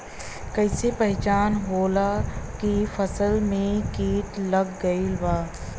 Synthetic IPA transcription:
kɐɪsepɐɦt͡ʃaːnɦoːlakifɐsəlmẽkiːʈlɐɡːɐilbaː

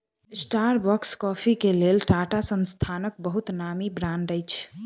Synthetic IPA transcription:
sʈaɾbɔkskɔpʰikelelʈaʈasənst̪ʰanək̚bəɦut̪namibɾãɳɖəjt͡ʃʰ

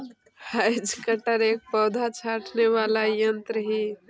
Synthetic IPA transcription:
hajd͡ʒkəʈəɾeːk̚pɔːd̪ʱat͡ʃʰaʈʰneʋaːlajənt̪ɾəɦi

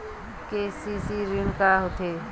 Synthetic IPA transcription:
kesisiɾɪŋkaɦot̪ʰe

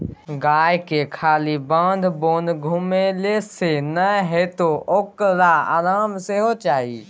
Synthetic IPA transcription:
ɡaːjkekʰaːlibãːnd̪bõːnd̪ɡʱʊmelesenəɦet̪ookɾaa̰ːɾaːmseɦot͡ʃaːḭː

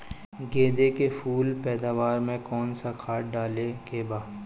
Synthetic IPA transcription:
ɡeːd̪ekefʰuːlpɛːd̪aːʋaːɾmẽkɔːnsakʰaːʈ̚ɖaːlekebaː

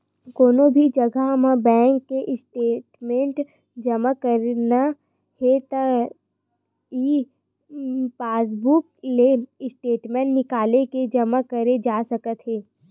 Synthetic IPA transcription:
koːnobʱid͡ʒɐɡʱamãbɛ̃ːŋkːeʔɪsʈeːʈmẽɳʈ | d͡ʒɐmakəɾna | het̪a | iː | paːs̬bukleɪsʈeːʈmẽɳʈnɪkaːleked͡ʒɐmakəɾed͡ʒaːsɐkət̪ɦeː

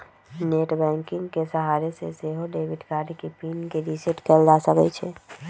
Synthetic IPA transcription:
neʈbɛ̃ŋkiŋɡkesəɦaɾesḛseɦoɖebʱiɖkaɖikepinkeɾisiʈkɛld͡ʒasəkɛt͡ʃʰɛ

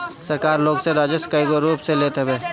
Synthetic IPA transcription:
səɾkaːɾloːɡseɾaːd͡ʒəskəjɡoɾuːpseleːt̪ɦɛbeː

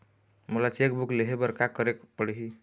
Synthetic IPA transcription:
mulat͡ʃek̚bukleɦebəɾkakəɾekpəɽɦi

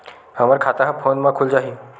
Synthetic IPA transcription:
həmaɾkʰat̪aɦãpʰonmakʰuld͡ʑaɦi

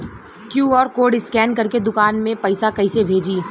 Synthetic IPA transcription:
kjuːɔːɾkoːɖɪskɛːnkɐɾked̪ʊkaːnmẽpɐɪsakɐɪsebʱeːd͡ʒiː

